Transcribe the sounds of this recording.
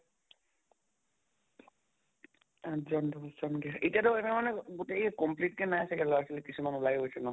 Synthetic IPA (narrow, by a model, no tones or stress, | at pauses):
azɔndɔzɔnɡɛʔetiatɔɛnɛmanɛɡoteɛkɔmplitkɛnajasɛkɛlɔasilɛkisumanulajɦojsɛnɔ